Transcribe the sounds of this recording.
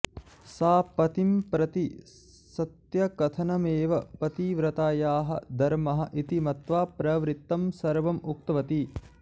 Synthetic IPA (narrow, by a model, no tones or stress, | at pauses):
saːpɐt̪impɾɐt̪i | sɐt̪jɐkɐt̪ʰɐnɐmeːʋɐpɐt̪iʋɾɐt̪aːjaːɦɐ̰d̪ɐɾmɐɦɐ̰ʔit̪imɐt̪ʋaːpɾɐʋɾit̪ːɐmsɐɾʋɐmuk̚t̪ɐʋɐt̪i